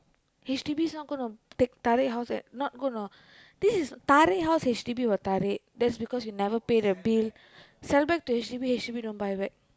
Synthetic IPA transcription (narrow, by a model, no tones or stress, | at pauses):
het͡ʃʈibisnɔt̚ɡonotek̚t̪aɾeɦaʊsɛ̃nɔt̚ɡonə | d̪̥isizt̪aɾeɦaʊshet͡ʃʈibiʋɔt̪aɾed̪ɛʈsbikɔsjunɛʋəɾpeːdəbil | sɛlbɛk̚ʈuet͡ʃʈibihet͡ʃʈibidõːnbajbɛk̚